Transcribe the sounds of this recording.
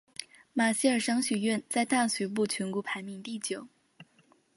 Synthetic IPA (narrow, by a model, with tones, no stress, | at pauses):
ma˨˩ɕi˥˩ə˞˨˩ʂɑ˥ŋɕy˨˩ɥɛ˥˧nt͡sa˥˧ɪt̪a˥˩ŋɕy˧˥p̬u˥˩t͡ɕʰɥɛ˧˥nku˧˥pʰa˧˥ɪmi˧˥ŋt̪i˥˩t͡ɕjo˨˩˦ʊ